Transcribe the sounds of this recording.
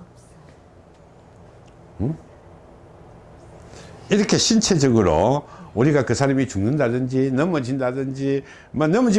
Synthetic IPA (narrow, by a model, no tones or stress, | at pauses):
iɾʌkʰe̞ɕʰint͡ɕʰe̞d͡ʑʌɡɯɾo̰uɾiɡakɯsʰaɾamit͡ɕuŋnɯndadɯnd͡ʑinʌmʌd͡ʑindadɯnd͡ʑi | manʌmʌd͡ʑi